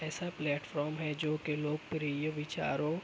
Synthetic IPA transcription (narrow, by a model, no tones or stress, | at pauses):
ɛːsaplɛːʈfʰɔːɾmɦɛd͡ʒoːkeloːɡ̚pɾiːjəʋɪt͡ʃa̰ːɾõ